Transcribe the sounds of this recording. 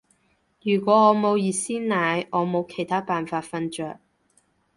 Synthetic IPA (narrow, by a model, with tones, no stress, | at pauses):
jyː˨˩kʷɔː˨˧˥ŋɔː˨˧mo˨˧wjiː˨˧siː˥nnaː˨˧jʔɔː˨˧mo˨˧wkʰe˨˩jt̪ʰaː˥paː˨nfaː˧t̚fɐ˧nt͡ʃœː˧k̚